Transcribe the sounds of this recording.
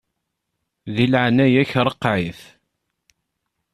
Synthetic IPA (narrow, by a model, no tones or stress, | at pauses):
ðilʕnæjæçɾˤəqːʕiθ